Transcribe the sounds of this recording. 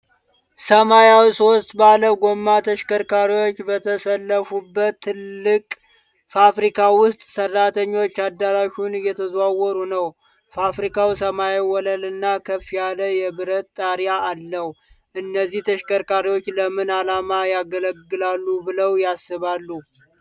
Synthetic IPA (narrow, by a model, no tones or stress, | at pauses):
səmajawsost̪baləɡo̞mːat̪ʰəʃkəɾkaɾiwo̞t͡ʃːbət̪ʰəsəlːəfubːət̪ʰːɨlːɨkʼ | fafɾikʰawʊst̪ʼsərːat̪ʰəɲːo̞t͡ʃːad̪ːaɾaʃunjɛt̪ʰəzwawɔɾunəw | fafɾikʰawsəmajewɔləlɨnːakʰəfːijaləjɛβɨɾət̪t̪ʼːaɾjaːlːəh | ʔɨnːəziht̪ʰəʃkəɾkaɾiwo̞t͡ʃːləmɨnalamajaɡələɡːɨlalːubɨləwjasːɨβalːu